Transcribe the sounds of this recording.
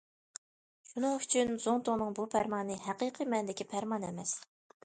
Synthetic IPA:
ʃunɨŋyt͡ʃʰynz̥oŋt̪ʰonɨŋbupʰæɾmɑnɨhæqiqʰimɛnd̪ɪkʲipʰæɾmɑnɛ̰mɛs

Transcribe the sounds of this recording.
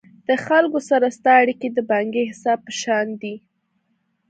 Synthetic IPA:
d̪̥əxalkosaɾast̪ɑaɽiked̪əbɑŋɡehɪsɑb̚pəʃɑnd̪i

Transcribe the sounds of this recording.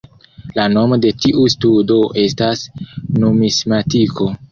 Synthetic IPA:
lano̞mo̞de̞tiʔustudo̞ʔe̞stasnomismatiko̞

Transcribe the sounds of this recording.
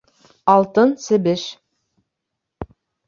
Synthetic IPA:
ɑlˠt̪ɤnsɘ̆bɘʃ

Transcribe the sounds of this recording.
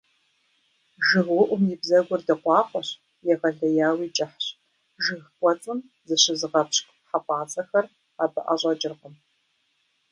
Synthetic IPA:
ʒɨʁwʊʔʷʊmjibzɐɡʷʊrdɐqʷɑːχʷɔɕ | jɛʁɐɮɐjaːwiːt͡ʃʼɐħɕ | ʒɨxkʷʼɔt͡sʼɨm | zɨɕɪzɨʁɐpɕkʷʼħapʷʼɑːt͡sʼɐxɐr | aːbɐ̰ʔɐ̰ɕʼɐd͡ʒʼɪrʁəm

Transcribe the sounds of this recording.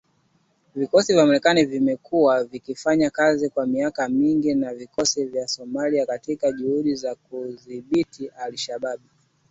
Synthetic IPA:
vikɔsivjamaɾɛkanivimɛkuavikifaɲakazikwamiakamiŋɡinavikɔsivjasɔmaliakatikaʄuhuɗizakuðiɓitiʔaliʃaɓaɓu

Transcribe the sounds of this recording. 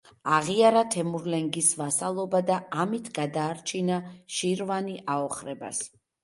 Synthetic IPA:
aʁiaɾat̪ʰɛmuɾlɛŋɡisvasalˠɔbad̪aamit̪ʰɡad̪aːɾt͡ʃʰinaʃiɾvaniʔaɔχɾɛba̰s

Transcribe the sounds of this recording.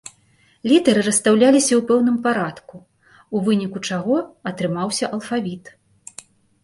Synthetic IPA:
lʲit̪ɐɾɨɾɐst̪awlʲalʲisʲɐwpɛwnɨmpaɾat̪ku | uvɨnʲikut͡ʂaɣɔɐt̪ɾɨmawsʲɐʔɐlˠfavʲit̪

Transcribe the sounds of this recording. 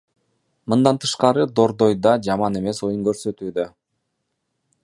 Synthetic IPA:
mɯnd̪ɑnt̪ʰɯ̥ʃqɑɾɯd̪o̞ɾd̪o̞jd̪ɑd͡ʒɑmɑne̞me̞so̞juŋkøɾsø̞t̪yːd̪ø

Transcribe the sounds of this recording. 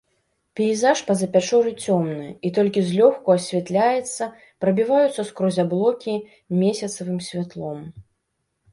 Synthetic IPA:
pʲɛizaʂpɐzɐpʲat͡ʂɔɾɨt͡sʲɔmnɨit̪ɔlʲkʲizʲlʲɔxkuɐsʲvʲɛt̪lʲajɛt̪sːɐ | pɾɐbʲivajut̪sːɐskɾɔzʲablˠɔkʲi | mʲesʲɐt̪sɐvɨmsʲvʲat̪lˠɔm

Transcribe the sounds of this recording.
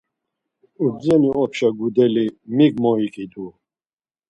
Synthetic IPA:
ubd͡zɛniʔɔpʰʃaɡud̪ɛlimiɡmɔikʼid̪u

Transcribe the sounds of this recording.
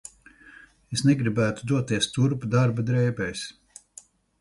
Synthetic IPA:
esnɛɡɾibæːt̪ud̪uɔt̪ːiɛst̪uɾpd̪aɾbad̪ɾɛjbɛjs

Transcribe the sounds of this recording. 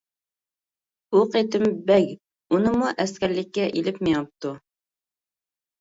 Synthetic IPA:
uqʰet̪ɪmbɛkʲ | unɨmuʔɛskʲæɾlɪkʲːɛʔilɪpmijɑp̚t̪u

